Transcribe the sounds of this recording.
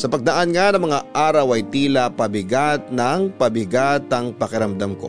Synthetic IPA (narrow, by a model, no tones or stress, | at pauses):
sɐpɐɡ̚d̪ɐʔanŋanɐŋmɐŋaʔaːɾɐwɐjt̪iːlɐpɐbɪɡat̪̚nɐŋpɐbɪɡat̪ɐŋpɐkɪɾɐmd̪amko̞̰